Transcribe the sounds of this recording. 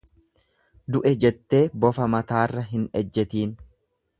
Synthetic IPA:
d̪ʊʔɛd͡ʒɛt̪ːe̞ːbɔfɐmɐt̪aːrːɐɦɪnɛd͡ʒːɛt̪iːn

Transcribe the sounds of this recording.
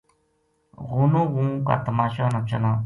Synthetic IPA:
ɣʊnõːɣũːka̰ːt̪əmaːʃaːnət͡ʃənaː

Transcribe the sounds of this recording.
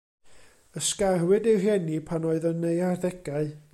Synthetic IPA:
əskarwɪderjɛnipʰanoːɨðənejarðɛɡ̥aɨ

